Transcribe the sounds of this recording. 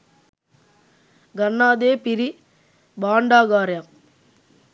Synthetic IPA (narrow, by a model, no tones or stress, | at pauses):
ɡɐnːaːd̪eːpiɾi | baːɳɖaːɡaːɾjam